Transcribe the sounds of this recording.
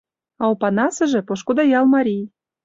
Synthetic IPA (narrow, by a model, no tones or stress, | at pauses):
ɑopɑnɑsɤ̆ʒĕpoʃkod̪ɑjɑlmɑɾʲij